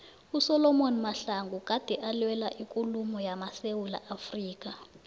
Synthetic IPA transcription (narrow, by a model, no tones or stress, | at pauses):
usɔlɔmonimaɬaŋɡuk̬ʼad̥ʱɛʔalwɛla̰ʔikʼulumɔjamasewula̰ʔafriːk̬a